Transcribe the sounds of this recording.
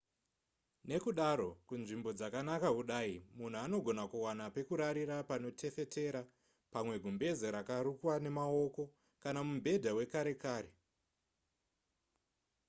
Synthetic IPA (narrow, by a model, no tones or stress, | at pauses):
ne̞kuɗaɾo̞kunʐimbo̞d͡zakanakaɦuɗaimun̤uano̞ɡʱo̞nakuwanape̞kuɾaɾiɾapano̞tʰe̞fe̞te̞ɾa | pamwe̞ɡʱumbe̞zeɾakaɾukwane̞mao̞ko̞ | kanamumbʱe̞dʱawe̞kaɾe̞kaːɾe